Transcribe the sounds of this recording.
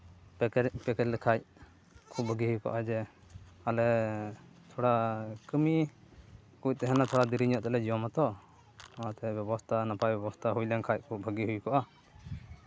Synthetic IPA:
pɛkɛɾlɛkʰac̚ | kʰub̚bʱəɡiɦujkɔ̰ʔad͡ʒɛ | alɛ | t̪ʰɔɽakəmi | kuc̚t̪ɛɦɛnat̪ʰɔɽad̪iɾiɲɔʔt̪ɛlɛd͡ʒiɔmat̪ɔ | at̪ɛbjɛbɔst̪ʰanapʰajbɛbɔst̪ʰaɦujlɛŋkʰac̚kʰubʱəɡiɦujkɔʔa

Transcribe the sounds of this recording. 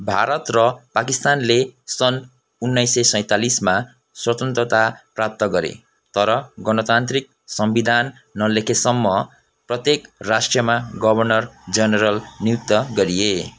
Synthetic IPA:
bʱaɾʌt̪rʌpakist̪anlesʌn | unːʌjsʌjsʌ̃j̃t̪alisma | swʌt̪ʌnt̪rʌt̪aprap̚t̪ʌɡʌɾḛ | t̪ʌɾʌɡʌnʌt̪ant̪rik̚sʌmbid̪ʱanː | ʌlekʰesʌmːʌ | prʌt̪jekrasʈrjʌmaɡʌbʱʌrnʌrd͡zʌnʌɾʌlniuk̚t̪ʌɡʌɾije

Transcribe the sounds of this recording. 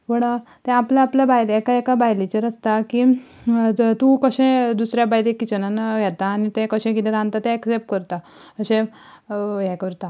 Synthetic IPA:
ʋəɽa | t̪ɛ̃aplaːpljabajlɛkaekabajlit͡ɕəɾəst̪akiː | t̪ũkəɕẽd̪usɾjabajlekit͡ɕənanɡʱɛt̪aːñit̪ɛ̃kəɕẽɡileɾãnt̪at̪ɛ̃ːksep̚ʈkəɾt̪a | əɕẽ | ɦɛkəɾt̪a

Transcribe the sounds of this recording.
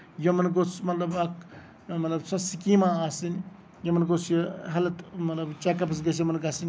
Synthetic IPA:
jɐmɐnɡot͡smɐt̪lɐbɐk | mɐt̪lɐbsɐsikimaaːsin | jɐmɐnɡot͡sjɐɦɐlɐt̪mɐt̪lɐbt͡ʃakɐpɐs̬ɡɐs̬jɐmɐnɡasinʲ

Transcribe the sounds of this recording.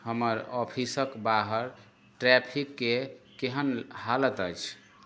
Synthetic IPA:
həməɾɔpʰisəkbaɦəɾ | ʈɾɛpʰikːekeɦənhalət̪əjt͡ʃʰ

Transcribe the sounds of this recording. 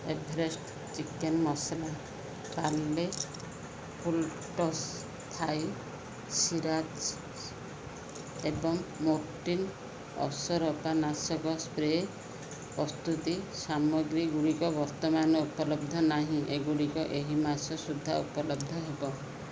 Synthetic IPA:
ebʱɾesʈ | t͡ʃikːenmɔsala | palːe | pʰulʈɔs | t̪ʰaj | siɾat͡ʃ | ebɔŋmɔɾʈin | ɔ̰sɔɾɔpanasɔkɔspɾe | pɔst̪ut̪isamɔɡɾiɡuɽikɔbɔɾt̪ɔmanɔupɔlɔb̚d̪ʱɔnaɦĩʔeɡuɽikɔʔeɦimasɔsud̪ʱːaupɔlɔbd̪ʱɔɦebɔ

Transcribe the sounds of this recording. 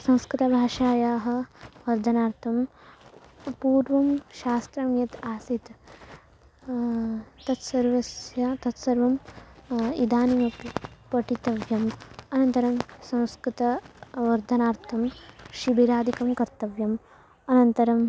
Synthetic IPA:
sɐ̃w̃skɾɪt̪ɐbʱaːʂaːjaːɦɐ̆ʋɐɾd̪ʱɐnaːɾt̪ʰɐm | puːɾʋɐmʃaːst̪ɾɐmjɐt̪aːsit̪ | t̪ɐt̪sɐɾʋɐsjɐt̪ɐt̪sɐɾʋɐm | id̪aːnimɐpɐʈit̪ɐʋjɐmɐnɐnt̪ɐɾɐmsɐ̃w̃skɾit̪ɐʋɐɾd̪ʱɐnaːɾt̪ʰɐmʃibiɾaːd̪ikɐmkɐɾt̪ɐʋjɐm | ɐnɐnt̪ɐɾɐm

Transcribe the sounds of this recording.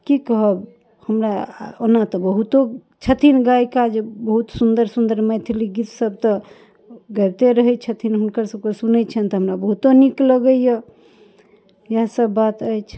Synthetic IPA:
kikəɦəb | həmɾaonat̪ɔbəɦut̪o | t͡ʃʰət̪ʰinɡajkad͡ʒebəɦut̪sund̪əɾsund̪əɾmɛt̪ʰiliɡit̪səb̚t̪ɔ | ɡət̪eɾəɦɛt͡ʃʰət̪ʰinɦunkəɾsəbkesunɛt͡ʃʰənt̪ɔɦəmɾabəɦut̪onikləɡəijə | jasəbːat̪əjt͡ʃʰ

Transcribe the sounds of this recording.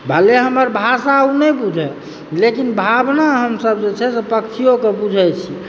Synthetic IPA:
bʱəleɦəməɾbʱasaunɛbud͡ʒʱɛ | lekinbʱabnaɦəmsəbd͡ʒet͡ʃʰɛsepəkt͡ʃʰijokebud͡ʒʱɛt͡ʃʰi

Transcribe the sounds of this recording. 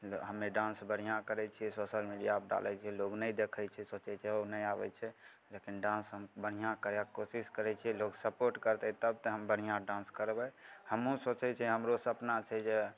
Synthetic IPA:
ɦəmːeɖãnsbəɽ̤̃ijãkəɾɛt͡ʃʰiɛsoʃəlmiɖijabɖa̰lɛt͡ʃʰɛloɡnəjd̪ekʰət͡ʃʰɛsot͡ʃɛt͡ʃʰɛonəjabɛ̰t͡ʃʰɛ | lekinɖãnsɦəmbəɽ̤ijãkəɾjakosiskəɾɛt͡ʃʰiɛloɡsəpoɾʈkəɾt̪ɛt̪əb̚t̪əɦəmbəɽ̤̃ijãɖãnskəɾbɛhəmũsot͡ʃɛt͡ʃʰɛɦəmɾosəpnat͡ʃʰɛd͡ʒe

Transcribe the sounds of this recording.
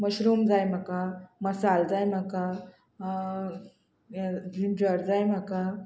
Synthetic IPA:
məɕɾumd͡zajm̤akaməsald͡zajm̤aka | dimpəɾd͡zajm̤aka

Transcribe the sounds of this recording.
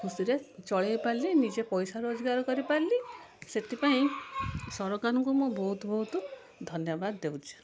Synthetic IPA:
kʰusiɾet͡ʃɔɭejpaɾlinid͡ʒepɔjsaɾod͡ʒɔɡaɾɔkɔɾipaɾli | set̪ipaĩsɔɾɔɡanɔŋkumobɔɦut̪bɔɦut̪u | d̪ʱɔnjɔbad̪ːewt͡ʃʰi̥

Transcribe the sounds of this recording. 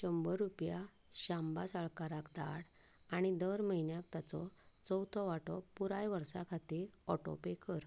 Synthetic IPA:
ɕəmbəɾːupja | ɕãmbasaɭkaɾakd̪aɽ | aɽ̃id̪əɾməɦinjãk̚t̪at͡sɔt͡sɔwt̪ʰɔʋaʈɔpuɾajʋəɾsakʰat̪iːɾɔʈɔ̰pekəɾ

